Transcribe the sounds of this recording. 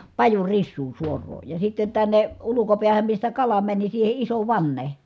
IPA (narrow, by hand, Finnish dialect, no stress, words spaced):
pɑjurisːuː suorˑoː jɑ sitːen tænːe ulukopiæhæm mistæ kɑlɑ mæni siːhe iso ʋɑnːe